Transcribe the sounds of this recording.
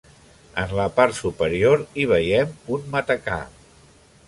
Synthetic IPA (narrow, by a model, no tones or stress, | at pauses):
ənləpaɾt̪supəɾioɾiβ̞əjɛmunmət̪əka̰